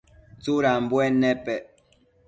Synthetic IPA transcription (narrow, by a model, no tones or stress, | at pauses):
t͡suɾam̩bwɛnɛpɛʔ